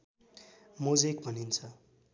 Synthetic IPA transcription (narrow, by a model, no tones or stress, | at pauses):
mod͡zekbʱʌnint͡sʰʌ